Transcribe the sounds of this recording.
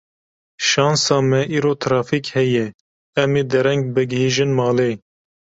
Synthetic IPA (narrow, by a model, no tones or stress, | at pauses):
ʃɑːnsɑːmɛʔiːɾoːt̪ʰɾɑːfikhɛjɛ | ɛmeːd̪ɛɾɛŋɡ̚bɨɡɦhiːʒɨnmɑːleː